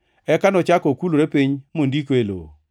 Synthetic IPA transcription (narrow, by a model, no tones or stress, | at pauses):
ɛkanɔt͡ʃakokuloɾepiɲmondikwelo̰